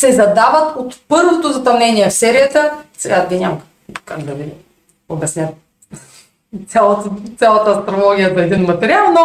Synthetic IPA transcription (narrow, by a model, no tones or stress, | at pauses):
sɛzɐd̪avət̪ot̪pɤɾvot̪ozɐt̪ɐmnɛniɛfsɛɾijət̪əsɛɡad̪ɡinʲamɐk | kaɡd̪ɐvi | obʲɛsnʲat̪̚ | t̪sʲalˠət̪t̪sʲjalˠət̪əːst̪ɾolˠɔɡʲijəd̪ɐɛd̪inmɐt̪ɛɾialˠno